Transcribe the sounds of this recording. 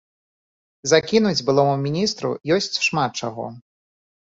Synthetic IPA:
zakʲinud͡zʲbɨlˠɔmumʲinʲist̪ɾṵjɔsʲt͡sʲʂmat̪̚t͡ʂaɣɔ̰

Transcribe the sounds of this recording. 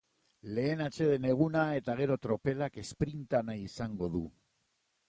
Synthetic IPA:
le̞ːnat͡ʃe̞ðe̞ne̞ɣ̞unae̞t̪aɣ̞e̞ɾo̞t̪ɾo̞pe̞lake̞spɾint̪anaisaŋɡo̞ðṵ

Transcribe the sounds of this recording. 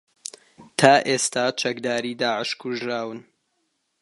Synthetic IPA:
t̪ʰaːʔeːst̪aːt͡ʃɐkd̪aːɾiːd̪aːʕəʃkʰʊʒɾaːwɨn

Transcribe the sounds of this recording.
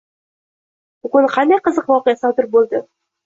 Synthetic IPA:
bʊɡʊnχand̪aqʰɨzɨqvɒqejasɒt̪ɪɾbolˠd̪ɪ

